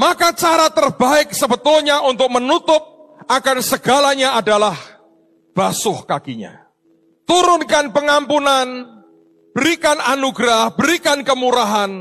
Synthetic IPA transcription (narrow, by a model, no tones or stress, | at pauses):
makat͡ʃaɾat̪ərbaɪk̚səbət̪ʊlɲaʔunt̪ʊk̚mənut̪ʊp̚akansəɡalaɲaadalah | b̥asʊhkakiɲa̰ | t̪uɾʊnkanpəŋampunan | b̥əɾikananuɡɾahbəɾikankəmuɾaɦan